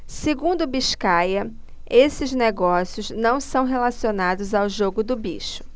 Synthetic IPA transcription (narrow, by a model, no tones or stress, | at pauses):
seɡũnd̪ʊbiʃkajɐ | esɪzneɡɔsiʊznɐ̃w̃sɐ̃w̃ɦelasionad̪ʊzawʒoɡʊd̪ʊbiʃʊ̥